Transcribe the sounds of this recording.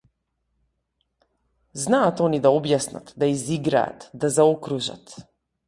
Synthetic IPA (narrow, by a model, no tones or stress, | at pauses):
znaːt̪ɔnid̪aɔbjasna̰t̪d̪aiziɡɾa̰a̰t̪d̪azaɔkɾuʒa̰t̪